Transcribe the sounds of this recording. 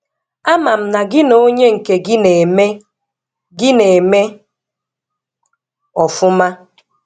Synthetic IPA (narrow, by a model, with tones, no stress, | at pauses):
a˦ma˨m̩˦na˨ɡɪ˦no˦ɲe˦ŋ̩˨ke˨ɡɪ˦ne˨me˦ | ɡɪ˦ne˨me˦ | ɔ˨fʊ˦ma˦